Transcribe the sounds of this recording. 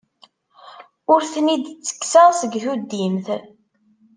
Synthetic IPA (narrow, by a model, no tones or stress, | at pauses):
ʊɾθnid̪t͡sːə̥kːsæsəɡθud̪ːimθ